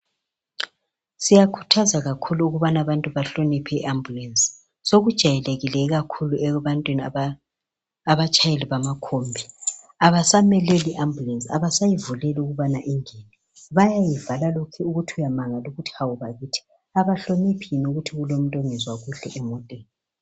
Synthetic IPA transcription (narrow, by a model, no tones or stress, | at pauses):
sijakʰu̥tʰazaɣakʰuluːɣuβanaβantʼuβaɬonipʰɛiʔambʱulensʼi̥ | soɣud̥ʒ̥ʱajɛleɣilɛɣakʰuluɛβantʼwinia | βat͡ʃʼajeliβamakʰombʱi | aβasamɛlɛliʔambʱulensʼia̰βasajivulɛluɣuβanaʔiŋeni | βajajivalalokʰɛuɣutʰiujamaŋaloɣutʰawuβaɣitʰi̥ | aβaɬonipʰinuɣutʰiɣulom̩tʼoŋizwaɣuɬɛʔɛmɔtʼɛːni